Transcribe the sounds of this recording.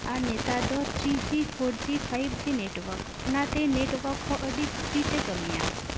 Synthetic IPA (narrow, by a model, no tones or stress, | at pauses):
anet̪ad̪ɔt͡ʃisifʰoɖt̪ipʰajɾt̪ʰineʈʋəɾk | nat̪eneʈʋəkʰɔʔəɖit̪dit̪ekəmijã̰